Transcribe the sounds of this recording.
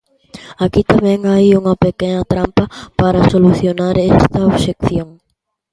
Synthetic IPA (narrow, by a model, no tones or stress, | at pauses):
akit̪amẽŋajuŋɐpekenɐt̪ɾampɐpaɾɐsoluθjonaɾest̪ɐoβʃekθjõŋ